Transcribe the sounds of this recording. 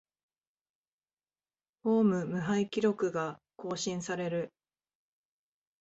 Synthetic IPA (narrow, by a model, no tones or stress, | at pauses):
ho̞ːmɯ̟mɯ̟ɦaikʲiɾo̞kɯ̟ɡa | ko̞ːɕĩɰ̃saɾe̞ɾɯ̟